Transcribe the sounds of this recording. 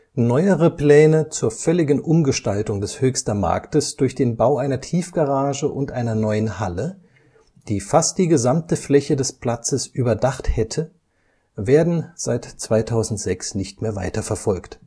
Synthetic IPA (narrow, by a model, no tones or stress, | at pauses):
nɔʏəʁəpl̥ɛːnət͡suːɐfœlɪɡn̩ʔʊmɡəʃtaltʊŋdɛshøːçstɐma̰ɐktəsd̥ʊɐçd̥eːnbaʊʔaɪnɐtʰiːfɡ̥aʁaːʒəʔʊntʔaɪnɐnɔʏənhalə | d̥iːfast̚d̥iːɡəzamtəflɛçədɛspl̥at͡səsʔyːbɐdaχthɛtʰə | veːɐdn̩z̥aɪtt͡sv̥aɪtʰaʊzn̩tz̥ɛksnɪçtmeːɐva̰ɪtɐfɛɐfɔlkt